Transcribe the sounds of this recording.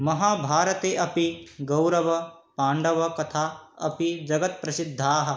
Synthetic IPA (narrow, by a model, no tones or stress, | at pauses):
mɐɦaːbʱaːɾɐt̪eːʔɐpiɡɐwɾɐʋɐ | paːɳɖɐʋɐkɐt̪ʰaːɐ̰pid͡ʒɐɡɐt̪̚pɾɐsid̪ʱːaːɦɐ̆